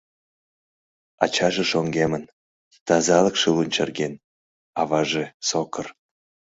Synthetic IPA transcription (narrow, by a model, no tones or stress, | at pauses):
ɑ̰t͡ɕɑʒeʃoŋɡemən | t̪ɑzɑləkʃɨlunʲt͡ɕɑrɡen | ɑvɑʒesokʰər